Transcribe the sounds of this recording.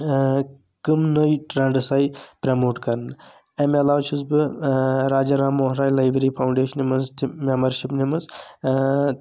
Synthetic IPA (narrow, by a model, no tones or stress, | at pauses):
kɨmnəjʈɾɐɳɖsajipɾɐmoːʈkɐɾnɨ | emelaːʋt͡ʃʰusbɨɾaːd͡ʒɐɾaːmoːɦɾaːjlajbɾipʰawɳɖeːʃɐnimɐnzt̪imembɐɾʃipnimɐz